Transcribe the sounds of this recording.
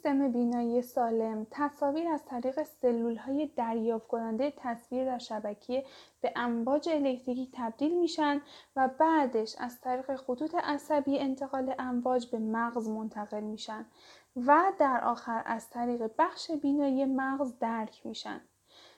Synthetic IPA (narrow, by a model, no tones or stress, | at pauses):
sist̪e̞me̞biːnɒːije̞sɒːle̞mt̪ʰæsɒːviːɾæzt̪ʰæɾiːɣe̞se̞lːuːlhɒːje̞d̪æɾjɒːft̪kʰo̞nænd̪ejet̪ʰæsviːɾd̪æɾʃæbæcʰeeb̥e̞ʔæɱvɒːd͡ʒe̞ːlecʰt̪ʰicʰiːt̪ʰæb̚d̪iːlmiːʃænd̪væbæːd̪e̞ʃæ̰zt̪ʰæɾiːɣe̞xot̪ʰuːt̪ʰe̞ʔæsæbiːent̪ʰe̞ɣɒːle̞ʔæɱvɒːd͡ʒbe̞mæɣzmo̞nt̪ʰæɣe̞lmiːʃænd̪ | væd̪æɾʔɒ̰ːxæɾæ̰z̥t̪ʰæɾiːɣe̞bæxʃe̞biːnɒːije̞mæɣzd̪æɾcʰmḭːʃæ̰nd̪